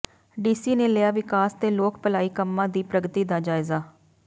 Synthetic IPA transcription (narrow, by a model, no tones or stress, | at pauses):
ɖiːsiːneːlɪjaːʋɪkaːst̪eːloːkpəlaːiːkəmːãːd̪iːpɾəɡt̪iːd̪aːd͡ʒaːɪzaː